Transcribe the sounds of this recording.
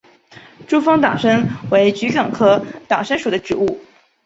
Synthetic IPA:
ʈ͡ʂu˥fɑ˥ŋt̪ɑ˨˩ŋʂə˥nwe˧˥ɪt͡ɕy˧˥ʈ͡ʂɤ˨˩ŋkʰɤ˥t̪ɑ˨˩ŋʂə˥nʂu˨˩d̪ə˦ʈ͡ʂɻ̩˨˩u˥˩

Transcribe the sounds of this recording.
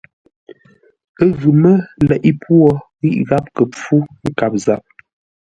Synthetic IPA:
ə˦ɣʉ˨mə˦lɛ˨ʔi˦pʰwɔ˦ | ɣi˦ʔɣa˦p̚kə˨p͡fu˦ŋ̩˦ka˨p̚za˨p̚

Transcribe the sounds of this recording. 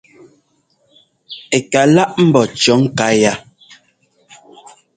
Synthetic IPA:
e˨ka˨la˦ʔm̩˦bɔ˨t͡ʃɔ˨˦ŋ̩˦ka˨˦ja˦˨

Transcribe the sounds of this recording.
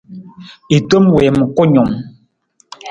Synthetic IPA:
i˨to˦mwɛ˨m˨kɔ˦ɲɔ˨m

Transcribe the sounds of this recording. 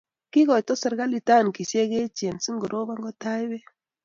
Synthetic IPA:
ki˦ɡɔ˨jtɔ˦sa˨ɾɡa˦li˨ta˦˨nki˨se˦ɡe˦t͡ʃe˨nsi˦ŋɡo˨ɾo˦ba˦ŋɡɔ˦ta˦jbe˦

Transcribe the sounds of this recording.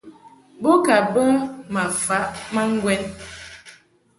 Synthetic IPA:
bo˦ka˨bə˦ma˨fa˨˦ʔma˦ŋ̩˦ɡwɛ˦n

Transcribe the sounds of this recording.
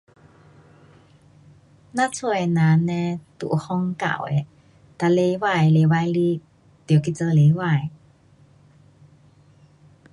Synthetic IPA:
na˧˥t͡sʰu˧˩˨jna˨˦nɛ˧t̪ṵ˧˨ʔhɔ˧˥ŋka̰˧˨wɛ̰˧˨ | t̪a˧˨le˧jwa˧˨jle˨˧˦wa˧jli˦ | t̪i˨˩˨ki˧t͡sə˧le˨˧jwa˧˨j

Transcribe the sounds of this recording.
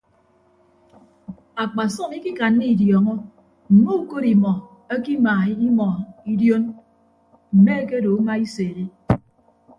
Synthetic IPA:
a˨k͡pa˨sɔ˦ŋi˦ki˦ka˨nːi˦i˨djɔː˨ŋɔ˦ | m̩˨mo˦u˨ko˦ɾi˨mɔ˨ | e˦ki˦maː˨˦i˦mɔ˨i˦djo˦n | m̩˨me˦e˦ke˦do˨u˦ma˦i˦se˨ɾe˦

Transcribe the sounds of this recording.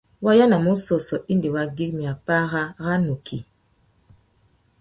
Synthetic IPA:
wa˦ja˦na˨mo˦sɔ˨sɔ˨ʔi˦ndi˨wa˦ɡi˦k̚mi˨a˨pa˦ɣa˦ɣa˦nu˨kʰi˨

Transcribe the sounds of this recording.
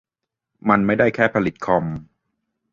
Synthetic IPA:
ma˧nma˥˩jda˥˩jkʰɛː˥˩pʰa˧li˨˩t̪̚kʰɔ˧m

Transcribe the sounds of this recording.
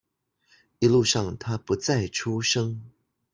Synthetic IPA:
i˧˦lu˥˧ʂɑ˥˨ŋt̪ʰa˥pu˨˥t͡sa˥˩ɪʈ͡ʂʰu˦ʂɤ˥ŋ

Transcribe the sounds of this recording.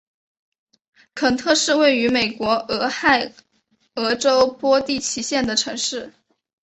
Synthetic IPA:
kʰə˨˩ŋt̪ʰɤ˥˧ʂɻ̩˥˧we˥˩ɪy˧˥me˨˩ɪkwɔ˧˥ɤ˧˥xa˥˩ɪ | ɤ˧˥ʈ͡ʂo˥ʊpwɔ˥t̪i˥˩t͡ɕʰi˧˥ɕjɛ˥˩nd̪ə˩ʈ͡ʂʰɤ˧˥ŋʂɻ̩˥˩

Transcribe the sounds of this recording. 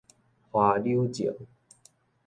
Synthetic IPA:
hwa˧lju˦t͡ɕḭ˨˦ŋ

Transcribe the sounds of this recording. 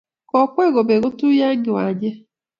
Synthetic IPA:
kɔ˨kweː˦ɣo˨be˨ɣo˦tuː˦ja˦ɡi˨wa˨ɟe˦

